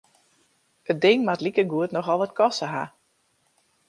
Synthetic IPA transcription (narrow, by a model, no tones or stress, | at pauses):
ət̚dɪŋmatlikəɡuətnɔxɔlˠʋɔtkʰɔsəɦa̰